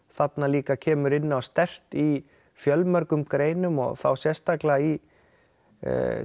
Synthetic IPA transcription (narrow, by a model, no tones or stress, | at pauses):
θat̪naliːkacʰɛːmʏɾɪnːɪawst̪ɛr̥t̪i | fjœlmœɾkʏmkɾeːjnʏmɔ̰ɣθa̰wsjɛst̪aklai